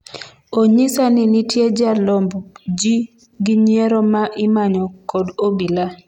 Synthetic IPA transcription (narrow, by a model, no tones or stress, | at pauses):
oɲɪsanɪnɪtjed͡ʒalɔmbd͡ʒi | ɡɪɲjeɾɔmaʔɪmaɲɔkɔdobila